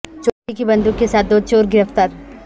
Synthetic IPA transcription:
t͡ʃoːʈikibɐ̃nd̪ukːesaːt̪̚d̪oːd̪̚t͡ʃoːɾɡɪɾəft̪əɾ

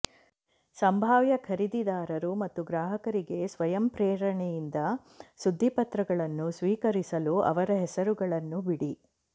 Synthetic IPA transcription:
sɐmbʱaːʋjɐkʰɐɾid̪id̪aːɾɐɾumɐt̪ːuɡɾaːɦɐkɐɾiɡe̞sʋɐjɐmpɾɛːɾɐɳɛjind̪ɐ | sud̪ʱːipɐt̪ɾɐɡɐɭɐnːusʋiːkɐɾisɐluɐ̰ʋɐɾɐɦɛsɐɾuɡɐɭɐnːubiɽi

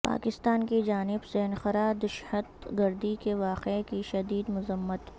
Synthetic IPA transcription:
pa̰ːkɪst̪aːnkid͡ʒaːnɪbseɐnxəɾad̪ɪʃhət̪ɡɐɾd̪ikeʋaːqekiʃɐd̪iːd̪mʊzəmːət̪

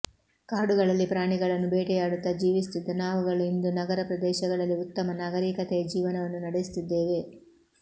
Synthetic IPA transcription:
kaːɽuɡɐɭɐlːipɾaːɳiɡɐɭɐnːubɛːʈɛjaːɽut̪ːɐd͡ʒiːʋist̪id̪ːɐnaːʋuɡɐɭuind̪unɐɡɐɾɐpɾɐd̪ɛːʃɐɡɐɭɐlːiut̪ːɐmɐnaːɡɐɾiːkɐt̪ɛɐd͡ʒiːʋɐnɐʋɐnːunɐɽejs̬t̪id̪ːe̞ːʋe̞

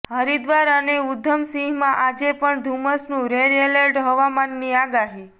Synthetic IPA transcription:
ɦəɾid̪ʋaɾəneud̪ʱːəmsĩɦmãʔad͡ʒepəɳd̪ʱuməsnũɾeɾeləɾʈɦəʋamanːiaɡaɦi

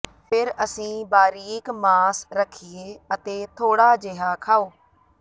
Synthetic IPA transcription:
pʰɪɾəsĩːbaːɾiːɪkmaːsɾəkʰːieːət̪eːt̪ʰoːɽaːd͡ʒeɦaːkʰaːoː

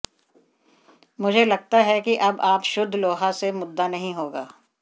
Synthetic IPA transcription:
mʊd͡ʒʱelɐɡ̚t̪aɦɛkiʔɐbaːpʃʊd̪ʱːloːɦasemʊd̪ːanɐɦĩɦoːɡaː

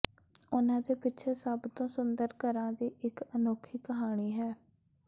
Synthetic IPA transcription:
ʊnãːd̪eːpɪtːt͡ʃʰeːsəbt̪õːsʊnd̪əɾkəɾãːd̪iːʔɪkənoːkʰiːkəɦaːɽ̃iːɦɛː

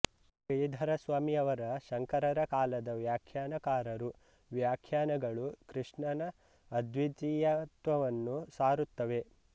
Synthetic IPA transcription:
kɐjd̪ʱɐɾɐsʋaːmiɐʋɐɾɐʃɐŋkɐɾɐɾɐkaːlɐd̪ɐʋjaːkʰjaːnɐkaːɾɐɾu | ʋjaːkʰjaːnɐɡɐɭukɾɨʂɳɐnɐː | d̪ʱʋit̪ijɐt̪ʋɐʋɐnːusaːɾut̪ːɐʋe̞

